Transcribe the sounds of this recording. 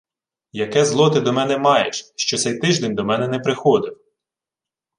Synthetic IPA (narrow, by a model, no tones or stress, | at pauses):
jɐkɛzlˠɔt̪ɪd̪ɔmɛnɛmɑjeʃʃt͡ʃɔt̪sɛjt̪ɪʒd̪ɛnʲd̪ɔmɛnɛnɛpɾɪxɔd̪ɪw